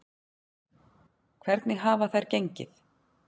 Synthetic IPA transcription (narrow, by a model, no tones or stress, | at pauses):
kʰvɛɾt̪nɪɣɦaːvaθajɾ̥cejɲcɪ̰θ